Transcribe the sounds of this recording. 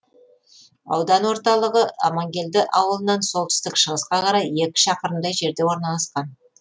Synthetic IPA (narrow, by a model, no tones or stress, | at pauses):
ɑ̰wd̪ɑnwo̞ɾt̪ɑlˠəʁəɑ̰mɑŋɡʲe̞ld̪ɪʔɑwəlˠənɑnsolˠt̪ʏ̥st̪ɪkʃəʁəsqɑqʰɑɾɑje̞kʲɪ̥ʃɑqəɾənd̪ɑjʒe̞ɾd̪e̞wo̞ɾnɑlˠɑsqɑn